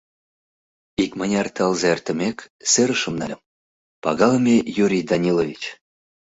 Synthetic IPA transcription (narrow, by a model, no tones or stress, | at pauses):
ikmənʲɑrt̪ɑlzɑert̪ə̆mʲekseɾəʃə̆mnɑ̰lʲəm | pɑɣɑləmʲejuɾʲijd̪ɑnʲilovʲit͡ɕ